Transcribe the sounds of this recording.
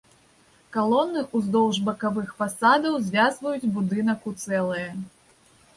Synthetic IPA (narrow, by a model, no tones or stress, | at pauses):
kalˠɔnːɨʔuzd̪ɔwʐbɐkavɨxfasad̪ɐwzʲvʲazvɐjud͡zʲbud̪ɨn̪ɐkut̪sɛlˠɨjɐ